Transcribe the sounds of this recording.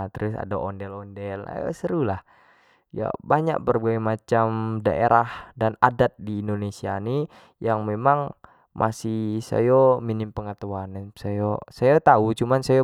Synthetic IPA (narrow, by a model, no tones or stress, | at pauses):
t̪əɾʊsa̰daʔondɛlɔndɛla̰səɾulah | ja̰baɲa̰k̚bərbaɛmat͡ʃamdaʔḛɾʔahdanadat̪̚diːndonesiani | jaŋmemaŋ | mʔa̰sisa̰jominɪmpəŋət̪uansajosajat̪aut͡ʃumansaja